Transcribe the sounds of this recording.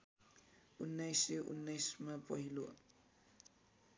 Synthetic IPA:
unːajseʔṵnːajsmapʌɦilo

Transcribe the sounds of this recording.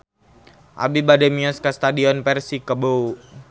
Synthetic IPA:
ʔa̰bibadɛmiɔskəst̪adiɔnpɛrsikəbou

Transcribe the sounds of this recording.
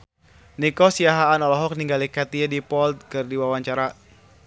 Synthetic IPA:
nikɔsiaɦaːnɔlɔɦɔk̚niŋɡalikat̪iadipɔlt̪̚kɨrdiwawaɲt͡ʃaɾa

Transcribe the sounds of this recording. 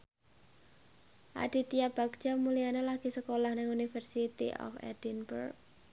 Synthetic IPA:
ʔa̰ɖ̥i̤t̪iab̥a̤ɡ̥t͡ʃamulijanelaɡ̥i̤səkolahnɪŋunifərsit̪ḭʔɔ̰fɛ̰d̥inbə̰rk̚

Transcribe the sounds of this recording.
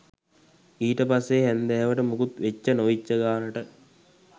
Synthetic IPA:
iːʈəpasːeɦænd̪ɛʋəʈəmukut̪ʋet͡ɕːɐnoʋit͡ʃːɐɡaːnɐʈə

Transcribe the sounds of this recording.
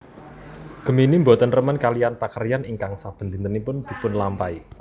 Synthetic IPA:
ɡ̥ə̤minimbɔt̪ənrəmənkalijanpakərijaniŋkaŋsab̥ə̤nt̪int̪ənipʊnd̪̥i̤pʊnlampai

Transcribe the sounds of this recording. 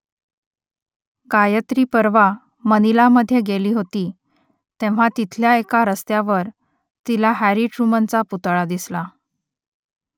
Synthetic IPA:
kajət̪ɾiːpəɾʋa | mənilaməd̪ʱːjeɡeliːɦot̪iː | t̪ẽʋ̤at̪it̪ʰljaekaɾəst̪jaʋəɾ | t̪ilaɦæɾiʈɾumənt͡saput̪ɭad̪isla

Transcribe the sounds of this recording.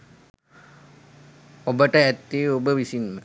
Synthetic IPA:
obəʈəæt̪ːiːobəʋisinmə

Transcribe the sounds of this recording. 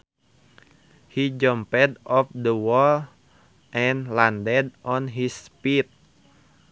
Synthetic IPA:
hid͡ʒɔmpɛdɔfdəwɔl | ʔɛ̃nlandɛdʔɔnɦispit̪̚

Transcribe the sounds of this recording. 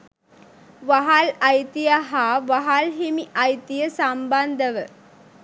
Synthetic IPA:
ʋaɦalɐjt̪ijaɦaːʋaɦalɦemiʔɐjt̪ijəsamband̪əʋə

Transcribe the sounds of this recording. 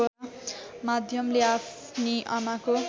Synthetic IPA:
mad̪ʱjʌmleap | niʔʌmako

